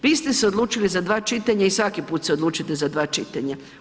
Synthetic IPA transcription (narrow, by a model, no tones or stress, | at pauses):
ʋiːst̪e̞seo̞d̪luːt͡ʃilizad̪ʋaːt͡ʃit̪aɲaisʋakipuːt̪seo̞d̪lˠuːt͡ʃit̪ezad̪ʋaːt͡ʃit̪aɲa